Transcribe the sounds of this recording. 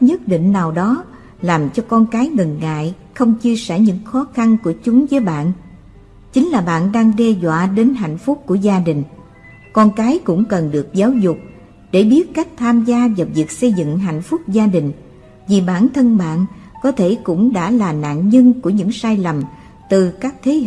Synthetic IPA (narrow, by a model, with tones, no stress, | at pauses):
ɲə˦˥t̚ɗḭ˧˨ŋ̟naː˨˩wɗɔ˨˦ | laː˨˩mt͡ɕɔ˧kɔ˧nkaː˨˦jŋə˨˩nːa̰ː˧˨j | xə˧wŋ͡mt͡ɕi˧əsɛ˧˩ɲɨ̰˧˥ŋxɔ˨˦xa˧nku˧˩ət͡ɕʊ˨˦ŋ͡mvəː˨˦jɓa̰ː˧˨n | t͡ɕï˨˦ŋ̟laː˨˩ɓa̰ː˧˨nɗaː˧ŋɗɛ˧zwa̰ː˧˨ɗe˨˦nɦa̰˧˨jŋ̟fʊ˦˥k͡p̚ku˧˩əzaː˧ɗï˨˩ŋ̟ | kɔ˧nkaː˨˦jkʊ̰˧˥ŋ͡mkə˨˩nɗɨ˨˩ək̚zaː˨˦wzʊ˨˩k͡p̚ | ɗe˧˩ɓi˦˥ət̚ka˦˥jk̟̚t̪ʰaː˧mzaː˧vaː˨˩vi˨˩ək̚sə˧jzɨ̰˧˨ŋɦa̰˧˨jŋ̟fʊ˦˥k͡p̚zaː˧ɗï˨˩ŋ̟ | vi˨˩ɓaː˧˩nt̪ʰə˧nɓa̰ː˧˨nkɔ˨˦t̪ʰe˧˩kʊ̰˧˥ŋ͡mɗa̰ː˧˥laː˨˩na̰ː˧˨nɲə˧nku˧˩əɲɨ̰˧˥ŋsaː˧jlə˨˩m | t̪ɨ˨˩kaː˦˥k̚t̪ʰe˨˦˧